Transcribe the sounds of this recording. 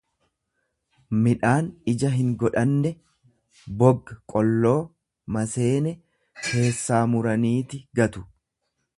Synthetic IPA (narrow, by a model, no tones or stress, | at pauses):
mɪᶑaːnɪd͡ʒɐɦɪŋɡɔᶑɐnːɛ | bɔɡːɐkʼɔlːo̞ː | mɐse̞ːnɛ | ke̞ːsːaːmʊɾɐniːt̪ɪɡɐt̪ʊ̥